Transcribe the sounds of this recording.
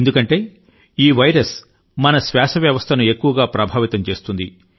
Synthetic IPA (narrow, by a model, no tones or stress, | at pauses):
nd̪ukɐɳʈe̞ː | iːʋɐjɾɐs | mɐnɐsʋaːsɐʋjɐʋɐst̪ʰɐnue̞kːuʋɐɡaːpɾɐbʱaːʋit̪ɐmt͡ʃe̞ːst̪und̪ḭ